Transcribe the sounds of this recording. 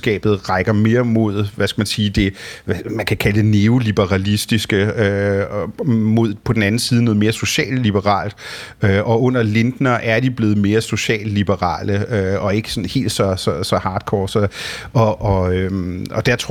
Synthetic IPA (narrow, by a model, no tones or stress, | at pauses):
ɡ̥ɛ̰ːb̥ð̩ˠʁɑ̈ɪɡ̥ɐme̝ːɐmo̝ð̰ˠʋæsɡ̥æmænsiːd̥e̝æmænkʰækʰæləd̥e̝ne̝o̝lib̥əʁɑ̈lisd̥isɡ̥əø | mo̝ð̞̰ˠpʰɒ̽d̥n̩æn̩siːðˠnɔ̽ð̩ˠme̝ːɐso̝ɕɛ̰ːlːib̥əʁɑ̰̈ːld̥ | øʔɒ̽ɔ̽n̰ɐle̝nd̥nɐʔæɐd̥ib̥le̝ːð̞̩ˠme̝ːɐso̝ɕɛ̰ːlːib̥əʁɑ̰̈ːləøɒ̽e̝ɡ̥ə̥sɔ̽nhe̝̰ːld̥sɒ̽sɒ̽sɒ̽hɑ̈ːd̥kʰɒːsɒ̽ɒ̽ʔɒ̽ømɒ̽d̥æɐt͡sʰ